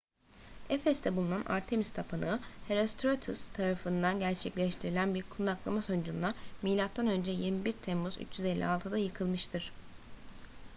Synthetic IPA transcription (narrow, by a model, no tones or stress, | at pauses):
efɛst̪ʰɛbulˠunanʔa̰ɾt̪ʰe̞mist̪ʰapʰanɯːheɾost̪ʰɾot̪ʰust̪ʰaɾafɯnd̪anɟæɾt͡ʃʰɛclʲɛʃt̪ʰiɾilʲænbijyɾkʰund̪aklˠamaso̞nd͡ʒunlˠamiːlʲat̪ːanø̞nd͡ʒɛjiɾmibiɾt̪ʰɛmːuzy̰t͡ʃjyzɛlʲːḭalˠt̪ʰɯd̪ajɯkʰɯlˠmɯʃt̪ʰɯɾ̥